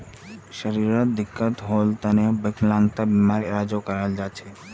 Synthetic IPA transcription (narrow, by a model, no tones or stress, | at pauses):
ʃəɾiɾad̪ikːat̪ɦolt̪anebeklaŋt̪abimaɾiɾad͡ʑokaɾald͡ʑaːt͡ɕʰe